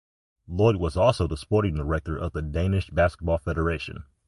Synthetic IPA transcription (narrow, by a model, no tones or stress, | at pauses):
lɔɪd̚wʌzɔlˠsoʊðəspɔɹɾɪ̃ŋðə˞ɛk̚tə˞ʔʌvðɨdẽɪ̃nɨʃb̥æskət̚b̥ɔlˠfɛɾə˞eɪʃɨ̰̃n